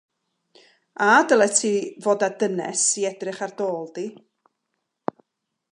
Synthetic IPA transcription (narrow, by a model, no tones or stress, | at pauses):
adəlˠɛtʰivoːdadənɛ̰siɛdrɪχard̥oːlˠdi